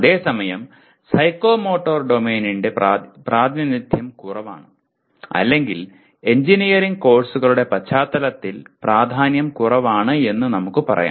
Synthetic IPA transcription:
ɐðe̞ːsɐmɐjɐm | sɐjkːo̞ːmo̞ːʈːoːrɖomeːninɖe̞praːd̪ʱjɐnid̪ʱjɐmkurɐʋa̰ːɳɨ | ɐ̰lːe̞ŋɡil | e̞ɲd͡ʑinijɐɾiŋɡ̚ko̞ːrsuɣɐɭuɽe̞pɐt͡ɕʰːaːt̪ːɐlɐt̪ːilpraːd̪ʱaːnjɐmkurɐʋaːɳɨe̞nːunɐmukːɨpɐrɐ̰ja̰ː

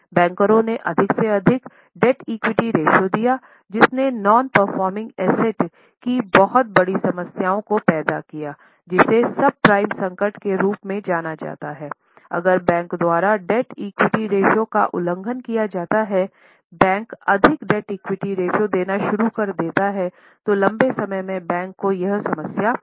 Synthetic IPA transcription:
bɛ̃ːŋkəɾõneʔɐd̪ʱɪkseɐd̪ʱɪk | ɖɛʈiːkwɪʈiɾeːʃod̪ijaː | d͡ʒɪsnenɔːnpəɾfɔːɾmɪ̃ŋɡɛːsɛʈ | kibɐɦʊt̪̚bɐɽisɐməsjaːõkopɛːd̪akijaː | d͡ʒɪsesɐb̚pɾaːɪmsɐ̃ŋkəɾʈkeɾuːpmẽd͡ʒaːnad͡ʒa̰ːt̪aɦɛː | ɐ̰ɡəɾbɛ̃ːŋkd̪waːɾaɖɛʈiːkwɪʈiɾeːʃoka̰ʔʊ̰lə̃ŋɡʱənkijad͡ʒaːt̪aɦɛ | bɛ̃ːŋkɐd̪ʱɪkɖɛʈiːkwɪʈiɾeːʃod̪eːnaʃʊɾukɐɾd̪eːt̪aɦɛ | t̪olɐ̃mbesɐməjmẽbɛ̃ːŋkːojɐɦsɐməsjaː

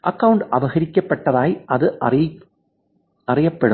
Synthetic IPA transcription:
ʔɐkːɐʋʊɳʈɐʋɐɣɐɾɪkːɐpːɐʈːɐðaːjʔɐðɯ | ɐrɐjɐpːɐɽɯ

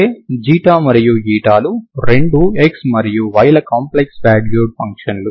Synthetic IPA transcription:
ed͡ʒiːʈaːmɐɾijuiːʈaːluɾe̞ɳɖueksmɐɾijuʋɐjlɐkaːmpleksbɛːɖljuːɖ̚pɐŋkʂɐnlu

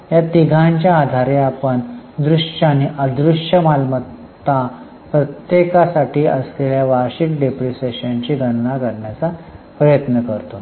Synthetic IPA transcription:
jat̪iɡʱãɲt͡ɕjaːd̪ʱaɾeapəɳd̪ɾuʂaniʔəd̪ɾuʂjəmalmə | t̪a | pɾət̪jekasaʈiːəsleljaʋaɾɕikɖepɾiseɕaɲt͡ɕiːɡəɽ̃nakəɾɳjat͡sapɾəjət̪nəkəɾt̪o

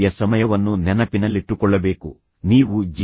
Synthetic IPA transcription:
jɐsɐmɐjɐʋɐnːunɛnɐpinɐlːiʈːukɔɭːɐbe̞ːku | niːʋud͡ʒ

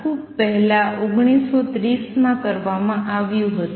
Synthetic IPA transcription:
kʰub̚pəɦɛlaoɡɽ̃isot̪ɾismãkəɾʋamãʔaʋjũɦət̪

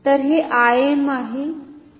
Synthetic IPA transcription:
t̪əɾɦeʔajemaɦe

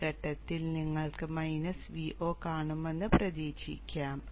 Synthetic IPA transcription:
ɐʈːɐt̪ːilniŋːɐɭkɨmɐjnɐsʋiʔʔoːkaːɳume̞nːɨprɐd̪iːɕḭkʲːaːm

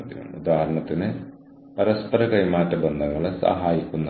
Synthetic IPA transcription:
ɐt̪ḭnɐ̰ud̪aːɦɐɾɐɳɐt̪ine | pɐɾɐspɐɾɐkɐjmaːʈːɐbɐnd̪ʱɐŋɡɐɭɐsɐ̰ɦaːjikːunːɐ

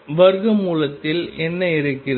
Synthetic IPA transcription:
ʋɐɾɣɯmuːlɐt̪ːɪlɛnːɐɪɾɯkːɪr

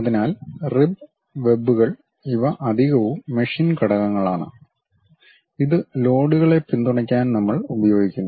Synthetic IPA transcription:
ɐðinaːlrib | ʋe̞bːuɣɐɭ | iʋɐʔɐd̪ʱiɣɐʋumːeʂinkɐɽɐɣɐŋːɐɭaːɳɨ̰ | iðɨlo̞ːɽuɣɐɭe̞pind̪uɳɐk̬ʲːaːnnɐmːɐɭubɐjo̞ːɡikʲːunːu

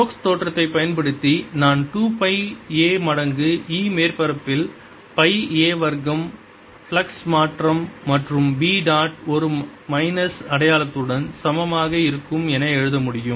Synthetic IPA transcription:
ʈoːkst̪oːʈrɐt̪ːɐɪpɐjɐnpɐɽɯt̪ːinaːnʈuːpɐɪeːmɐɽɐŋɡɯiːmeːrpɐɾɐpːɪl | pɐɪeːʋɐɾɣɐm | fɭɐksmaːʈrɐmːɐʈrɯmbiːɖaːʈɔɾɯmɐɪnɐsɐɽɐjaːlɐt̪ːɯɽɐnsɐmɐmaːɣɐɪɾɯkːɯmɛnɐɛɻɯðɐmʊɽɪjɯm

